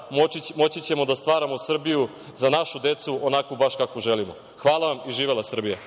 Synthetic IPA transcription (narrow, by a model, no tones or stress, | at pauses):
mo̞t͡ɕit͡ɕemo̞d̪ast̪ʋaːɾamo̞sr̩biju | zanaʃud̪e̞t̪suʔonakobaʃkakoʒelimo̰ | xʋaːlˠaʋamiʒiːʋelˠasr̩bija